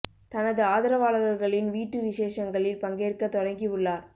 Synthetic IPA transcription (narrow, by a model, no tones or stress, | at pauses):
t̪ɐnɐðɯaːðɪɾɐʋaːɭɐɾɐlɣɐɭɪnʋiːʈːɯʋɪʂeːʂɐŋɡɐɭɪlpɐŋɡeːrkɐt̪ːɔɽɐŋɡiʋɯɭːaːɾ